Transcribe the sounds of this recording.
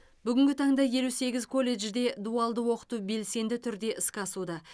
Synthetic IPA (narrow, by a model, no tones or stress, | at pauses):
bʏɡʲɪŋʲɡʲɪt̪ʰɑɴd̪ɑje̞luse̞ɡʲɪzkʰo̞lʲːe̞ʒd̪e̞d̪uɑlˠd̪əwo̞qə̥t̪ube̞lse̞nd̪ɪt̪ʰʏɾd̪e̞ʔɪskʲɑsud̪ɑ